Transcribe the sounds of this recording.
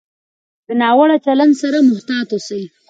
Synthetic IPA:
d̪̥ənɑwaɽat͡ʃaland̪saɾamʊht̪ɑt̪osəj

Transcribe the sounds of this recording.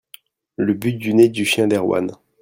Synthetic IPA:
ləbyt̪̚d̪yned̪yʃjɛ̃d̪ɛʁwa̰n

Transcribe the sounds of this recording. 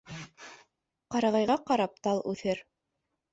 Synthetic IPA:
qɑɾɑʁɑjʁɑqɑɾɑp̚t̪ɑlˠʉθɘɾ

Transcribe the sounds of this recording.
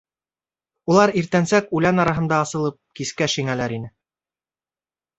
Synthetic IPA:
ulˠɑɾiɾt̪ænsækʉlænɑɾɑɦɤ̆nd̪ɑːsɤ̆lˠɤp̚kiskæʃiŋælæɾinɘ

